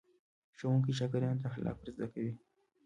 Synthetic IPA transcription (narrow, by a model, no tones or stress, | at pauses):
ʃowuŋkiʃakaɾjɑnt̪axalɑ̰kɾzd̪akawi